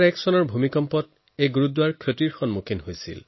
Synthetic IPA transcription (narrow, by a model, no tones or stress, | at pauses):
ɹɛksɔnɔɹbʱumikɔmpɔt | ejɡuɹudwaɹkʰotiɹxɔnmukʰinɦojsḭl